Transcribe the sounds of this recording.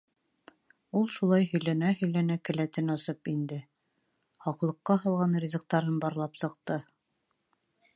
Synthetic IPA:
ulˠʃulˠɑjɦɵ̆jlænæɦɵ̆jlænækɘ̆læt̪ɘnɑsɤpind̪ɘ | hɑqlˠɤ̆qːɑɦɤ̆lˠʁɑnrʲizɤ̆k̚t̪ɑɾɤnbɒɾlˠɑpsɤ̆q̚t̪ɤ

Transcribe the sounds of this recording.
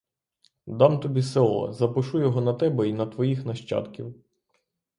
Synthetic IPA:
d̪ɑmt̪ɔbʲisɛlˠɐ̰zɐpɪʃujɔɦɔnɐt̪ɛbɛinɐt̪ʋɔjixnɐʃt͡ʃɑ̰t̪kʲiw

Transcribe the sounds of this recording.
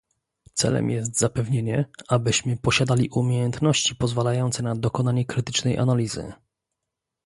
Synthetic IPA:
t̪sɛ̰lɛ̰mjɛs̬t̪z̥apɛvɲeɲɛabɘɕmɘpɔɕad̪alʲiʔumʲjejɛnt̪nɔɕt͡ɕipɔzvalajɔnt̪sɛnad̪ɔkɔnaɲɛkɾɘt̪ɘ̥t͡ʂnɛjʔa̰nalʲizɘ̰

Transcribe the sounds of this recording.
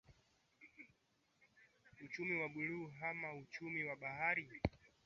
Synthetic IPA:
ut͡ʃumiwaɡuɾuɦamaut͡ʃumiwaɓaɦaɾi

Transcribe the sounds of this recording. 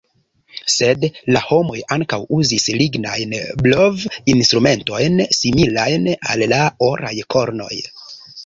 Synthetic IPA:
se̞dlaho̞mo̞jaŋkawuzisliɡnajnblo̞vinstɾume̞nto̞jnsimilajna̰lːaoɾa̰jko̞ɾno̞̰j

